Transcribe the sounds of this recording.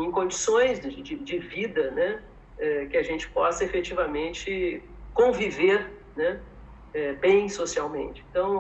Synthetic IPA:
ẽj̃kõd͡ʒisõj̃zd͡ʒɪd͡ʒɪd͡ʒɪvid̪ɐnɛ | ɛkɪɐʒẽnt͡ʃɪ̥pɔsɐefet͡ʃivɐmẽnt͡ʃɪ | kõviveɾnɛ | ɛbẽj̃sosiawmḛ̃nt͡ʃɪẽt̪ɐ̃w̃

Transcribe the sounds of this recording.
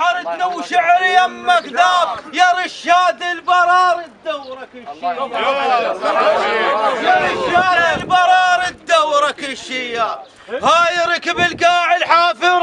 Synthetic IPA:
ɑɾɪt̪nawːʃaʕɾɪjamːakd̪aːbjaɾˤɪʃːaːd̪ɪlbɑɾˤɑːɾˤɪd̪ːawɾ | aʃaːd̪ɪlbɑɾˤɑːɾˤɪd̪ːawɾɑkɪʃɪjːa | haːjɾikɪbɪlɡaːʕɪlħaːfɪɾˤ

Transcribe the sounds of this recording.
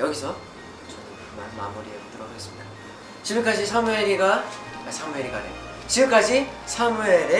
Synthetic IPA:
jʌɡisʰʌ | ʌ | mama̰muɾiet͈ɯɾʌɡes͈ɯmɲid̥a | t͡ɕiɡɯmk͈ad͡ʑisʰameɾiɡaasʰamueɾiɡadḛo | t͡ɕiɡɯmk͈ad͡ʑisʰamueɾe

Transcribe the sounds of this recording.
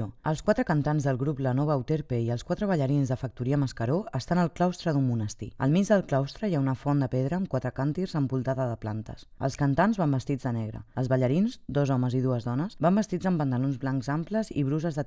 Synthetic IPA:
əlˠskwat̪ɾəkənt̪anzðəlˠɣɾuplənɔβ̞əut̪eɾpeiəlˠskwat̪ɾəβəʎəɾinzðəfək̚t̪uɾiəməskəɾoəst̪anəlˠklawst̪ɾəðumːunəst̪ḭə̰lˠmid͡ʒd̪əlˠklawst̪ɾəjaunəfɔnd̪əpɛðɾəːmkwat̪ɾəkant̪irzəmpulˠt̪aðəðəpla̰nt̪ə̰sə̰lˠskənt̪anzβambəst̪id͡zðənɛɣɾə̰əlzβəʎəɾinzd̪ɔzɔməziðuəzðɔnəsbambəst̪id͡zəmpənt̪əlonzβlaŋkzampləzḭβɾuzəzðə

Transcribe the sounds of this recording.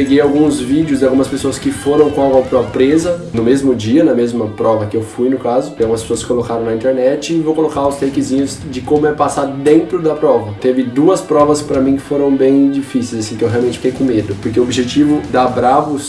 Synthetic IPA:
eɡejawɡũzvid͡ʒɪʊzd̪ɪawɡumɐspesoɐskɪfoɾɐ̃w̃kõawɡɔwpɾɔpɾezɐnʊmezmʊd͡ʒiɐnɐmezmɐpɾɔvɐkɪewfujnʊkazʊaɡumɐspe̥soɐsɪ̥kolokaɾɐ̃w̃nɐĩnt̪eɾnɛt͡ʃɪːvowkolokaʊst̪ejkɪzĩɲʊzd͡ʒɪkõmʊɛpasad̪ẽnt̪ɾʊd̪ɐpɾɔvɐt̪evɪd̪uɐspɾɔvɐspɾɐmĩkɪ̥foɾɐ̃w̃bẽj̃d͡ʒifisejzasĩt̪w̃ɦeawmẽt͡ʃɪfi̥kejkõmed̪ʊpʊɾkeʊobiʒet͡ʃivʊd̪abɾavʊs

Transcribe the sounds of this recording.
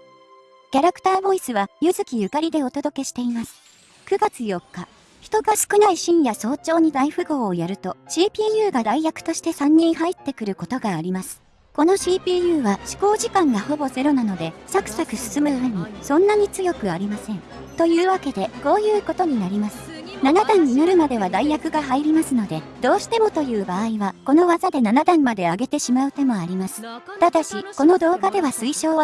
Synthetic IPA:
kʲaɾakɯ̟̥t̪aːbo̞isɨβajɯ̟zɨkʲijɯ̟kaɾʲid̪e̞o̞t̪od̪o̞ke̞ɕi̥t̪e̞imasɨ̥ | kɯ̟ɡat͡sɨjo̞kːa | çi̥t̪o̞ɡasɨ̥kɯ̟naiɕĩɰ̃jaso̞ːt͡ɕo̞ːɲ̟id̪aiɸɯ̟ɡo̞ːjaɾɯ̟t̪o̞ɕiːpʲiːjɯ̟ːɡad̪aijakɯ̟̥t̪o̞ɕi̥t̪e̞sãɲ̟ːĩɰ̃ɦait̪ːe̞kɯ̟ɾɯ̟ko̞t̪o̞ɡaːɾʲimasɨ̥ | ko̞no̞ɕiːpʲiːjɯ̟ːβaɕi̥ko̞ːʑikãŋɡaho̞bo̞ze̞ɾo̞nano̞d̪e̞sakɯ̥sakɯ̟sɨ̥sɨmɯɯmeɲ̟isõ̞nːaɲ̟it͡sɨjo̞kɯ̟aɾʲimasẽ̞n | t̪o̞jɯ̟ːβake̞d̪e̞ko̞ːjɯ̟ːko̞t̪o̞ɲ̟inaɾʲimasɨ̥nanad̪ãɲ̟ːinaɾɯ̟mad̪e̞βad̪aijakɯ̟ɡaɦaiɾʲimasɨno̞d̪e̞ | d̪o̞ːɕi̥t̪e̞mot̪o̞jɯ̟ːbaːiβako̞no̞βazad̪e̞nanad̪ãmmːad̪e̞aɡe̞t̪e̞ɕimaɯ̟t̪e̞mo̞aɾʲimasɨ̥t̪ad̪aɕiko̞no̞d̪o̞ːɡad̪e̞βasɨiɕo̞ː

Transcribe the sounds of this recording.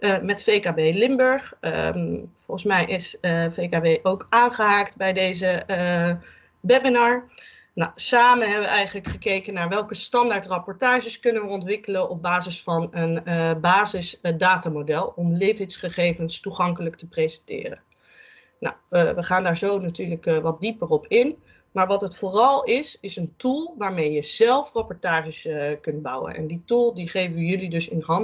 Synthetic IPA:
mɛtfejkabejlɪmbøɹχ | fɔlˠχən̩smɛjʔɪsfejkabejʔowkaːnχəɦaːktbɛjdejzə | bɛbɪnaɹ | nawsaːmənɦɛbəʋəʔɛjχənləkχəkejkənːaːɹʋɛlˠkəstɑndaɹtrɑpɔɹtaːʒəskɵnənʋəɔntʋɪkələnɔb̚baːzɪsfɑnənbaːzɪsdaːtamodɛlˠɔmlejvɪtsχəχejvənstuχɑŋkələktəprezɛntɪ̰ːrə̰n | na̰wʋəχaːndaːɹzownatyːɹləkʋɑt̚dipərɔpʰɪn | maːɹʋɑtɦətfʊːrɑlˠɪsɪsəntulˠʋaːɹmejəz̥ɛlˠfrɑpɔɹtaːʒəskɵnd̚bʌ̰wə̰nʔɛ̰nditulˠdiχejvəjɵlidɵsɪnɦɑn

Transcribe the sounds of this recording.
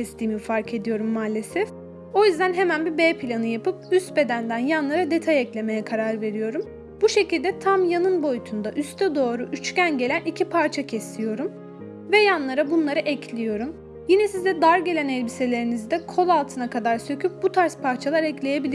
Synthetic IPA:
ɛst̪ʰiːmifaɾkʰe̞d̪ijo̞ɾumːaːlʲe̞sɛf | o̞jyzd̪ænɦemænbibeːpʰilʲanɯjapɯp̚yst̪be̞d̪ænd̪ænjanlˠaɾad̪e̞t̪ʰajɛclʲe̞me̞jɛkʰaɾaɾve̞ɾijo̞ɾum | buʃe̞cilʲd̪ɛt̪ʰamjanɯnbo̞jut̪ʰund̪aʔyst̪ʰɛd̪o̞ːɾuʔyt͡ʃcænɟe̞lʲænicʰipʰaɾt͡ʃʰacʰɛst̪ʰijo̞ɾum | vɛjanlˠaɾabunlˠaɾɯʔɛcʰlʲijo̞ɾum | jinɛsizd̪ɛd̪aɾɟelʲænɛlʲbise̞lʲe̞ɾinizd̪ɛkʰo̞lˠalˠt̪ʰɯnakad̪aɾsø̞cʰyp̚but̪ʰaɾspaɾt͡ʃʰalˠaɾɛclʲe̞je̞bilʲi

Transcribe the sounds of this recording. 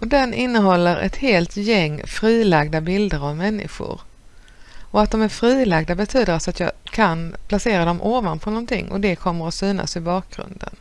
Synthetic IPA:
ʔɔd̪ɛnɪnːəɦɔlːəɾɛ̰t̪heːlt̪jɛŋːfɾiːlaɡd̪abɪld̪əɾavmɛnːɪ̰ɧʊ̰ɾ | ɔat̪̚d̪ɔmæɾfɾiːlaɡd̪abɛt̪ʰyːd̪əɾasat̪jɑ̰ːkʰanpʰlaseːɾad̪ɔmʔoːvanpʰɔnɔnt̪ɪ̰ŋːʔɔ̰d̪ɛkʰɔmːəɾɔsyːna̰sɪbɑːk̚ɡɾɵ̰nd̪ə̰n

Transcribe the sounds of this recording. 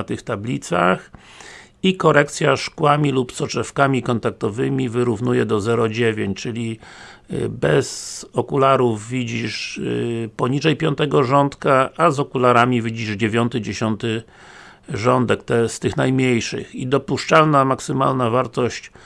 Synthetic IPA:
t̪ɘxt̪ablʲit̪sa̰x | ikɔɾɛkt̪sʲjaʂkwamʲilupsɔt͡ʂɛfkamʲikɔnt̪ak̚t̪ɔvɘmʲivɘɾuvnujɛd̪ɔzɛɾɔd͡ʑevʲjeɲt͡ɕt͡ʂɘlʲi | bɛz̥ɔkulaɾuvvʲid͡ʑiʂ | pɔɲiʐɛjpʲjɔnt̪ɛɡɔʐɔnt̪kaazɔkulaɾamʲivʲid͡ʑiʐd͡ʑevʲjɔnt̪ɘd͡ʑeɕɔnt̪ɘ | ʐɔnd̪ɛkt̪ɛst̪ɘxnajmɲejʂɘ̰xid̪ɔpuʂt͡ʂalnamaksɘma̰lnavaɾt̪ɔɕt͡ɕ

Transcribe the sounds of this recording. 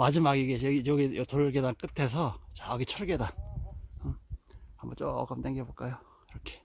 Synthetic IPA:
mad͡ʑimaɡiɡeʌɡiʌɡiotoɾɯɭɡedank͈ɯtʰe̞s̬ʰʌt͡ɕaɡit͡ɕʰʌɭɡedanɯambʌnt͡ɕok͈ɯmt͈eŋɡeboɭk͈ajo | iɾʌkʰe̥

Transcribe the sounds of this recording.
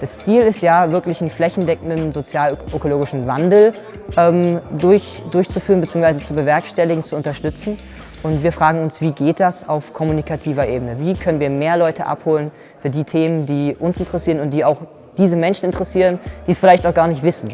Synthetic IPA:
d̥ast͡siːlɪstjaːvɪɐklɪçn̩flɛçn̩dɛkŋ̩dnzot͡sjaːlʔøkoloːɡɪʃn̩va̰ndl̩ | ʔɛːmdʊɐçdʊɐçt͡sufyːʁənbət͡siːʊŋsv̥aɪzət͡subəvɛɐkʃtɛlɪɡŋ̩t͡suʊntɐʃtʏt͡sn̩ | ʔʊntv̥iːɐfʁ̥aːɡŋ̩ʊnsv̥iːɡeːt̚d̥asaʊfkʰɔmunikʰatʰiːvɐʔeːbənəviːkʰœnənviːɐmeːɐlɔʏtəʔa̰phoːlən | fyːɐdiːtʰeːməndiːʔʊnsɪntəʁɛsiːʁənʊnt̚d̥iːaʊx | d̥iːzəmɛnʃn̩ɪntəʁɛsiːʁənd̥iːsfɪlaɪçtaʊxɡ̥aːɐnɪçtv̥ɪsn̩

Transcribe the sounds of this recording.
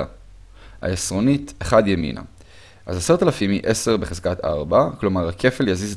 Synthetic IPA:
a | ha̰esʁonit̪eχad̪jemḭna̰ | ʔazaseʁt̪alafimḭʔese̞ʁbeχez̥kat̪a̰ʁbaklo̞maʁakʰe̞feljazize

